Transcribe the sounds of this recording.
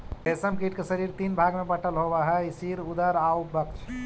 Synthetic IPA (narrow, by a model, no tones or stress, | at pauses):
esəmkiʈkesəɾiɾt̪iːnbʱaɡmepəʈəlɦobaɦɛisiɾud̪əɾaubəkt͡ʃʰ